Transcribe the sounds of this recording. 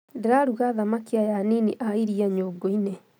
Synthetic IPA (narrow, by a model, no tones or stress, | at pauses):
ndeɾaɾuɣaðamakiajaniniʔaiɾiaɲoːɡoine